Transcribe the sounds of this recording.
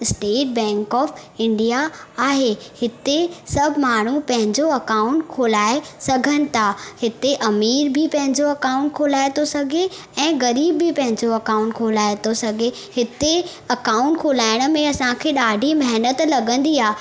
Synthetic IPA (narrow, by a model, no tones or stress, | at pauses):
ɪsʈeːʈ̚bɛ̃ːŋkɔːfɪ̃ɳɖijaaːɦehɪt̪esɐbʱmaːɳ̤upɐ̃ɦɪ̃ɲd͡ʑoɐkaːʊ̃ɳʈ̚kʰoːlaːesɐɡʱənɪ̆t̪ʰahɪt̪eʔɐmiːɾbʱɪpɐ̃ɦɪ̃ɲd͡ʑoɐkãːʊ̃ɳʈ̚kʰoːlaːet̪ʰosɐɡʱe | ɛ̃ːɣɐɾiːbːɪpɐ̃ɦɪ̃ɲd͡ʑoɐkaːʊ̃ɳʈkʰolaːet̪osɐɡʱe | hɪt̪e | ɐkaːʊ̃ɳʈ̚kʰoːlaːɪɽ̃̆mẽɐsãkʰeːɗaːɖʱimɐɦnət̪lɐɡə̃nd̪iaː